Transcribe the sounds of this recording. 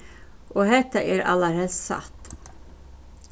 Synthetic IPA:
ʔoːhɛt̪əʔeːɾɑ̰ləɾhɛssɑ̰t̪

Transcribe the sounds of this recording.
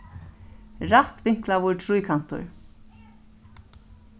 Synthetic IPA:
ɾat̪vɪŋ̥klavʊɾt̪ʰɾujkʰan̥t̪ʊ̰ɹ

